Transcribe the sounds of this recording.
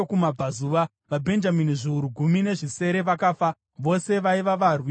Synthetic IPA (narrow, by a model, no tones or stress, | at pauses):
kumab͡vazuʋa | ʋabʱe̞nd͡ʒaminiʐiuɾuɡʱumine̞ʐise̞ɾe̞ʋakaːfa | ʋo̞se̞ʋaiʋaʋarwi